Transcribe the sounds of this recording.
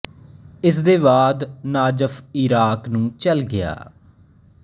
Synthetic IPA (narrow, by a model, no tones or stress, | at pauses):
ɪs̬d̪eːβaːd̪naːd͡ʒəfɪɾaːknũːt͡ʃəlɡɪja̰ː